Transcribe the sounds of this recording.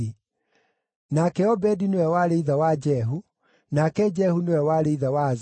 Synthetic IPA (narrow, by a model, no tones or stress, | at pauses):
i | nakɛɔbɛdinewɛwaɾeiðawad͡ʒɛɦu | nakɛd͡ʒɛhunewɛwaɾeiðawaz